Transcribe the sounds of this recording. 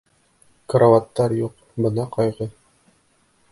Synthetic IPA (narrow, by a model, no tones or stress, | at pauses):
kɾovat̪ːɑɾjuq̚ | bɤ̆nɑqɑjʁɤ